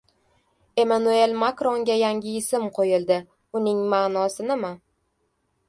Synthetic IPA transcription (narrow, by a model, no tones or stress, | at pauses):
e̞manue̞lmakɾoŋɡʲajaŋʲɪɪsɪmqʰojɪlˠd̪ɪ | ʊnɪŋmaːnɒsɪnɪma